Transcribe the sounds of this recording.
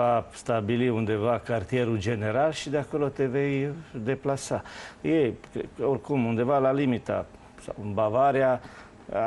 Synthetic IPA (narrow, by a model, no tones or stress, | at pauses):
ast̪abiliund̪e̞vakart̪ie̞ɾud͡ʒe̞ne̞ɾalʃid̪eako̞lo̞t̪e̞ve̞jd̪e̞plasajejkorkumund̪e̞valalimit̪a̰ | sa̰wbavaɾea